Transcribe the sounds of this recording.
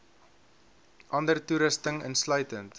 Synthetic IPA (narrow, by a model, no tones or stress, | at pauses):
ʔɐndərtuɾəstəŋə̰nslœɥtənt